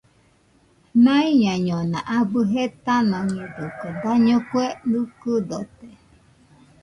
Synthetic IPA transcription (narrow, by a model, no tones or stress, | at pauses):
nãiɲãɲonãʔabɨɦet̪anãɲɛd̪okod̪aɲokwenɨkɨd̪ot̪e